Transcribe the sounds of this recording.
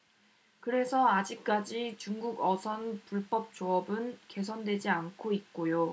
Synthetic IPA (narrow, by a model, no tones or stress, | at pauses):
kɯɾe̞sʰʌad͡ʑik̚k͈ad͡ʑit͡ɕuŋɡuɡʌsʰʌnpuɭp͈ʌp̚t͡ɕ͈oʌbɯnke̞sʰʌndwe̞d͡ʑiankʰoit̚k͈ojo